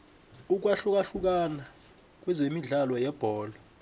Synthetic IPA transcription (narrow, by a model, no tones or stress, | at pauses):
uk̬ʼwaɬuk̬ʼaɬuk̬ʼana | k̬ʼwɛzemiɮalwɔjɛb̥ʱɔːlɔ